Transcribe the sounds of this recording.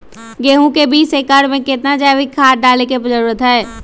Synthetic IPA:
ɡeːɦũkebiːt͡ʃeːkaːɽmẽkɪt̪nad͡ʒaːʋɪkʰːaːʈ̚ɖaːlekepd͡ʒəɾuːɾət̪ɦɛː

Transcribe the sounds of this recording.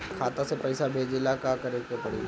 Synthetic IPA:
kʰaːt̪ãsepɛɪsabʱeːd͡ʒelakakɐɾẽkepɐɽḭ

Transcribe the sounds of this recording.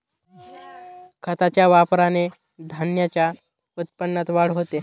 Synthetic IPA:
kʰət̪at͡ɕjaʋapɾane | d̪ʱanjat͡ɕja | ut̪̚pənːat̪ʋaɽɦot̪e

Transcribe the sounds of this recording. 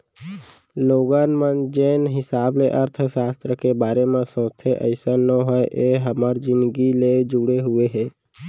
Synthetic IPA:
loːɡaːnmənd͡ʒeːnɦɪsaːbleʔəɾt̪ʰəsaːst̪ɾəkebaːɾemãsõːt̪ʰeʔə̰ɪsanəɦɔeʔeɦəməɾd͡ʒɪ̃nd̪ɡiled͡ʒʊɽeɦʊeɦɛː

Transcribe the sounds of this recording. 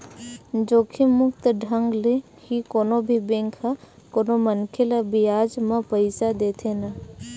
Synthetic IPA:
d͡ʒoːkʰimʊkt̪ɖʱə̃ŋɡle | hikoːnobʱibẽŋkʰakoːnomənkʰelabiaːd͡ʒmãpəɪsad̪eːt̪ʰena

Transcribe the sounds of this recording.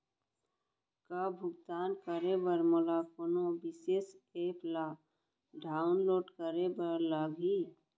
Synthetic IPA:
kabʱʊɡt̪aːnkəɾebəɾmolaːkonõbɪseːseːplaː | ɖaːʊnloːʈkəɾebəɾlaɡʱi

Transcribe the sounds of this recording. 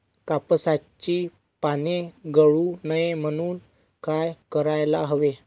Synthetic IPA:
kapəsat͡ɕiː | paneɡəɭunəjem̤əɽ̃uːn | kajkəɾajlaɦəʋe

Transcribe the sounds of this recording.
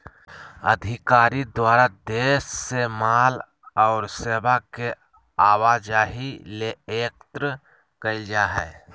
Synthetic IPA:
ə̰d̪ʱɪkaːɾid̪waːɾad̪eːʃsemaːl | ɔːɾseːbake | aːwaːd͡ʒaːɦileeːk̚t̪ɾə | kəid͡ʒaːɦɛː

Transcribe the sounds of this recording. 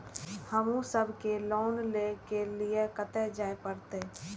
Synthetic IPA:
həmũsəbʱkelɔːnlekeliekət̪ɛd͡ʒaːepəɾt̪e

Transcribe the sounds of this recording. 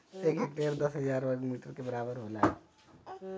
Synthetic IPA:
ekekʈeːɾd̪əsɦəd͡ʒaːɾʋəɡmiːʈəɾkebəɾaːbəɾɦoːlaɦɛ

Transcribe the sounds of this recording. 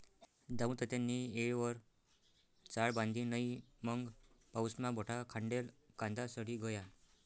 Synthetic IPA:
d̪aʋũt̪ət̪anːiːeɭʋəɾ | t͡saɭbãnd̪ʱiːnəiməŋɡpawsmabʱɔʈʰakʰaɳɖelkãnd̪asəɽiɡʱoja

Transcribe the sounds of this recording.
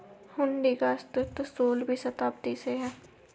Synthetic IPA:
hʊɳɖikaɪst̪ɪt̪soːlbʱisɐt̪aːp̚t̪iseɦɛː

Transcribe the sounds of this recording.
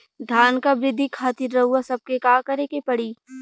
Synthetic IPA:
d̪ʱjaːnkabɾɪd̪ʱːikʰaːt̪iɾːɐɦuasɐb̚kekaːkɐɾekepɐɽiː

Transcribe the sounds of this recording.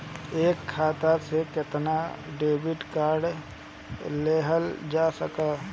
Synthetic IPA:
eːkʰːaːt̪asekɪt̪naɖeːbɪɖkaːɾɖ | leːɦəld͡ʒaːsəkaː

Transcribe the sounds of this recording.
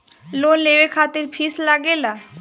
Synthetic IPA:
lonlebekʰat̪iɾfʰislaɡela

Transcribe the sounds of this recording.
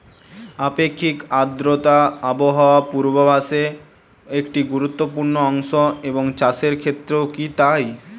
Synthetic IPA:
apekʰːikad̪ɾot̪aaboɦaoapuɾbobaʃe | ekʈiɡuɾut̪ːopuɾnoɔŋʃoeboŋt͡ɕaʃeɾkʰet̪ːɾeokit̪aj

